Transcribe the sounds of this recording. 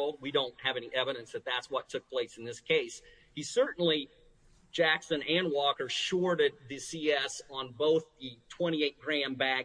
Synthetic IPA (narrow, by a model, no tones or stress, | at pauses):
lˠd̚wiɾõʊ̃nt̚ɦɨvɛniʔɛvɨɾɨ̃nsðɨt̪̚ðætswʌtʰʊk̚pʰl̥eɪsn̩ðɪskʰeɪs | hisɜ˞ʔn̩li̥ | d͡ʒ̥æksɨ̃næ̃nwɔkə˞ʃɔɹɾɪd̪̚ðɨsiɛsn̩boʊθðɨtʰw̥ɛ̃ɾ̃ieɪt̚ɡ̥ɹæ̃mbæ